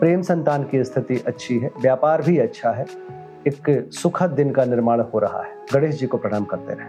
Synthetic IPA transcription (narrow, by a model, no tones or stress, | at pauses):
pɾeːmsɐ̃nt̪aːnkist̪ʰɪt̪iʔɐtːʃʰiɦɛʋjaːpaːɾbʱiɐtːʃʰaɦɛ | eksʊkʰət̪̚d̪ɪnkanɪɾmaːɭɦoɾɐɦa̰ɦɛɡɐɽeːsd͡ʒikopɾɐɽ̃aːmkɐɾt̪ḛɾɛɦe